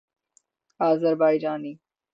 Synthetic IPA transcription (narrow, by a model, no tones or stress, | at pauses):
aːzəɾbaːjd͡ʒaːniː